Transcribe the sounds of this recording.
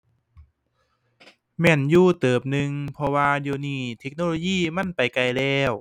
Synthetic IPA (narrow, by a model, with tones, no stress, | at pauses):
mɛː˧˩˨njuː˧˩t̪ɤː˨˩p̚nɯ˧ŋpʰɔ˧waː˧diː˧˩niː˧˩t̪ʰe˦k̚no˧˨loː˧jiː˧˥˩ma˧˥˨npa˨jka˧jlɛː˧˩w